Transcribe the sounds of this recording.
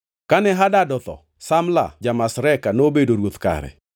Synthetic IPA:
kanɛɦadadɔt̪ɔ̰ | samla̰d͡ʒamasɾɛkanobedoɾwot̪ka̰ɾɛ̰

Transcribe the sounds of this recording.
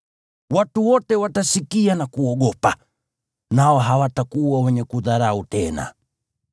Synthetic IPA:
watuwɔtɛwatasikianakuɔɠɔpa | naɔɦawatakuwawɛɲɛkuðaɾautɛna̰

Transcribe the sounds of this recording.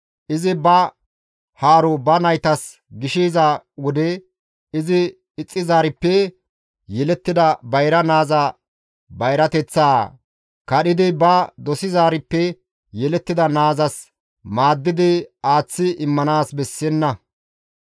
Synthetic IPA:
ʔɪzɪbɐ | haːɾʊbɐnɐjt̪ɐs | ɡɪʃiːzɐwʊd̪ɛ | ɪzɪ | ɪt͡sʼːɪzaːɾɪpːɛ | jɛlɛt̪ːɪd̪ɐbɐjɾɐnaːza | bɐjɾɐt̪ɛt͡sːaː | kɐɗɪd̪ɪbɐd̪ɔsɪzaːɾɪpːɛ | jɛlɛt̪ːɪd̪ɐnaːzɐs | maːd̪ːɪd̪ɪaːt͡sːɪʔɪmːɐnaːsbɛsːɛnːɐ

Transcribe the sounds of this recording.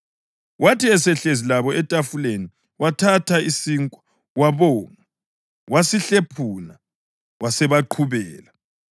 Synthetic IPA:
wʔatiɛsɛɬezilaβɔɛtʼafuleni | watʰatʰaisiŋkʼɔ̥ | waβɔːŋa | wʔasiɬepʰuːna | wasɛβaǃʰuβɛːla

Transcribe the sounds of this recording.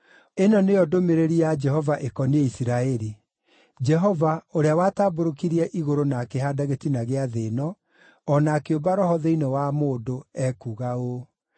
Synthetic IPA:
enɔneɔdomeɾeɾiad͡ʒɛɦɔvaʔekɔneeisiɾaɛɾi | d͡ʒɛɦɔvaoɾeawataːboɾokiɾiɛʔiɣoɾonakeɦadaɣetinaɣeaðenɔː | nakeobaɾɔhɔðeinewamoːdoɛkuɣao

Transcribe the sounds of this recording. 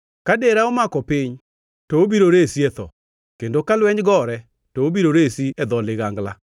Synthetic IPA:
kadeɾaomakɔpɪɲ | tɔobiɾoɾesiɛt̪ɔ̰ | kendokalwɛɲɡɔɾɛ | tɔobiɾoɾesiɛd̪ɔlɪɣaŋɡla

